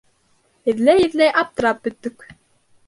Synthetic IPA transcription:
ɪðlɛjɪðlɛjʔap̚t̪ɾapːʏt̪ːʏk

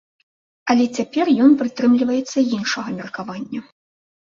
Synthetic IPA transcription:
ɐlʲɛt͡sʲapʲɛrjɔnpɾɨt̪ɾɨmlʲivɐjɛt̪sːɐjinʂɐɣɐmʲɛrkavanʲːɐ

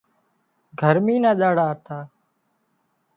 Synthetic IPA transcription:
ɡʱəɾmiːnãːɗaːɽaːt̪ʰaː

